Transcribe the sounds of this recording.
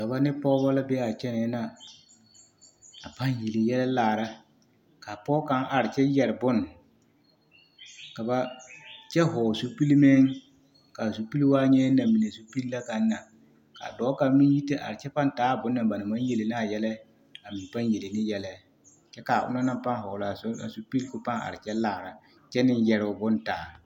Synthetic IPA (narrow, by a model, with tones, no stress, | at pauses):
ka˨ba˦nɪ˦pɔː˦bɔ˦la˦bɛ˦a˨t͡ʃɛ˦nɛ˨˦na˨ | a˨pa˦nje˨le˨jɛ˦la˦laː˨ɾa˦ | ka˨pɔː˦ka˦ŋʔa˨ɾɪ˨t͡ʃɛ˦jɛ˨ɾɪ˨bʊ˦n | ka˨ba˦t͡ʃɛ˦ɦɔː˨so˦pi˦li˦mɛ˦ŋ | ka˨so˨pi˦lwaː˦ɲɛ˦na˨mi˨ne˨so˦pi˦lla˦ka˨nː˦a˨ | ka̰˨dɔː˨˦ka˨mɪ˦ji˦te˦ʔa̰˨ɾɪ˨t͡ʃɛ˦pa˦ntaː˨˦˨bʊ˨˦nːa˨ba˨nɪ˨ma˦nje˨le˨nɪ˦a˨jɛ˦la˦ | a˨mɪ˨m˨pa˦nje˨le˨nɪ˦jɛ˦la˦ | t͡ʃɛ˦ka˨ʔʊ̰˦na˦na˦mpa˦ŋɦɔ˨la˨˦a˨so˨pi˦lkʊ˦pa˦ŋa̰˨ɾɪ˨t͡ʃɛ˦laː˨ɾa˨ | t͡ʃɛ˦nɪ˦njɛ˨ɾɪ˨ʊ˨bʊ˦ntaː˨